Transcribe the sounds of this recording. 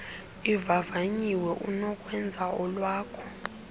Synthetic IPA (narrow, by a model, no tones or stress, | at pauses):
ivavaɲiwɛʔunɔkʼwɛnd͡zʱaɔlwaːkʰɔ̥